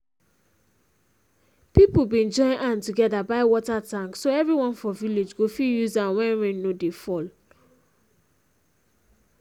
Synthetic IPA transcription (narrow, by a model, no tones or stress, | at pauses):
pipobĩd͡ʒɔ̃ɪ̃nʔãntuɡɛdabaɪwɔtatãŋksoɛvɹiwɔ̃nfɔviled͡ʒɡofijuzãwɛ̃ɹɛ̃nnodefɔl